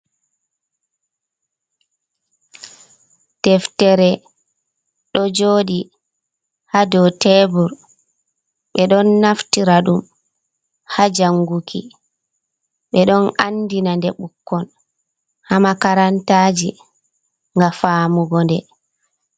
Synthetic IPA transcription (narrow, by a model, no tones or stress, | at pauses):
d̥ɛftɛɾɛ | ɗɔd͡ʒoːɗi | hadɔtɛbuɾ | ɓɛɗɔnːaftiɾaɗum | had͡ʒaŋɡukʰi | ɓɛɗɔnanːdinandɛɓukːɔn | hamakaɾantaːd͡ʒi | ŋɡafaːmuɡɔndɛ